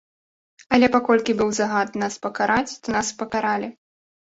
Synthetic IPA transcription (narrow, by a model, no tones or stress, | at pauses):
ɐlʲɛpakɔlʲkʲibɨwzaɣat̪̚naspɐkaɾʔat͡sʲt̪ɔnaspɐkaɾalʲi